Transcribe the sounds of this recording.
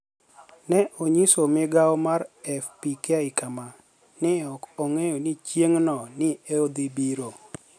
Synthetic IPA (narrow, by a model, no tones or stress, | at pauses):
nɛʔoɲisomɪɡawɔmaɾɛfpikaɪkama | nɪɔkoŋejonit͡ʃjeŋnɔnɪeod̪ibiɾo